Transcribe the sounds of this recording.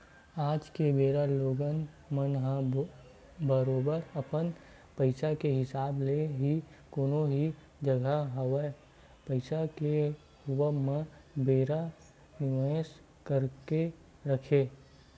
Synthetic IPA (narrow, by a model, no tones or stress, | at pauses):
aːd͡ʒkebeːɾaloːɡən | mənɦə | bəɾoːbəɾəpən | pəɪsakeɦɪsaːbleɦi | koːnõɦi | d͡ʒəɡʱaɦəwə | pəɪsake | ɦʊʋəmẽbeːɾa | nɪʋəs | kəɾke | ɾəkʰeː